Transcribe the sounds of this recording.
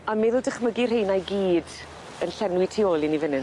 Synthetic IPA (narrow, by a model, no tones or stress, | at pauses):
ameːðodəχməɡirɦejnajɡiːd | ənɬɛnwitʰioːlˠinivɪnɨn